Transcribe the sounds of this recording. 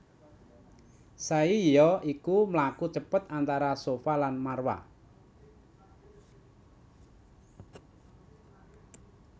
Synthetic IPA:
saijɔikumlakut͡ʃəpət̪ant̪aɾasofalanmarwa̰

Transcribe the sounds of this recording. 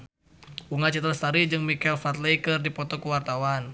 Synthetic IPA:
uŋat͡ʃət̪ɾast̪aɾid͡ʒɨŋmikɛlfat̪lejkərdipɔt̪ɔkəwart̪awan

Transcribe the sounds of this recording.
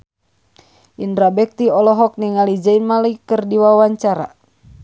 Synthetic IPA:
ʔindɾabɛk̚t̪iɔlɔɦɔk̚niŋalid͡ʒainmaljkɨrdiwawaɲt͡ʃaɾa̰

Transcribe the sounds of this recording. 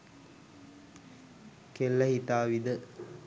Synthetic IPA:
kelːɐhit̪aːʋid̪ə

